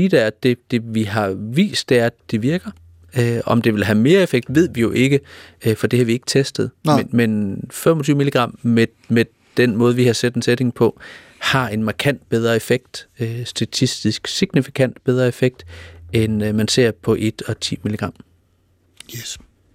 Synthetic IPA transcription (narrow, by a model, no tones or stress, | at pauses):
iːd̥eæɐd̥e̝d̥e̝ʋiɦɑ̈ʋḭːsd̥eæɐæd̥e̝ʋiɐɡ̥ɐ | øɒ̽md̥e̝ʋe̝lɦæme̝ːɐefeɡ̥̚d̥ʋe̝ð̞̰ˠʋijo̝ʔe̝ɡ̥əfɒ̽d̥e̝hɑ̈ʋie̝ɡ̥ə̥t͡sʰesd̥əð̞̩ˠmenfem̰ɒt͡sʰyːʊmiliɡ̥ʁɑ̈m̰me | me | d̥enmɔ̽ːð̞ˠʋihɑ̈sed̥ensed̥e̝ŋ̩pʰɒ̽ | hɑ̈e̝nmɑ̈kʰæn̰d̥̚b̥eð̞ˠʁɐe̝feɡ̥̚d̥øsd̥æt͡sʰisd̥isɡ̥siɡ̥nifikʰæn̰d̥b̥eð̞ˠʁɐe̝feɡ̥̚d̥enmænse̝ɐ̰pʰɒ̽ʔe̝d̥ɒ̽t͡sʰḭːmiliɡ̥ʁɑ̈m̰